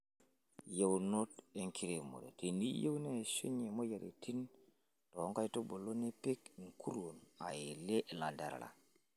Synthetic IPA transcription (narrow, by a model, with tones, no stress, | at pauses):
je˦wno˦te˦ŋkʰi˦ɾe˨mo̰˨ɾḛ˨ti˨ni˦je˦wne˦˨su˦ɲe˨mo˦ja˨ɾḭ˨tʰi˦n | to˨o˦ŋka˦jto˦bo˨lo˦ne˦pe˦kŋkʰu˦ɾwo˨na̰˨ji˨le˦ʔla˨ndḛ˨ɾa̰˨la̰˨